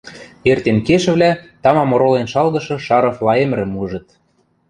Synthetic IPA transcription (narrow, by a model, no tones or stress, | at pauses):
ert̪enkeʃɘ̆βlʲæt̪ɑmɑmoɾolenʃɑlɣɤ̆ʃɤ̆ʃɑɾɤ̆flˠɑemɾɘ̆muʒɤ̆t̪̚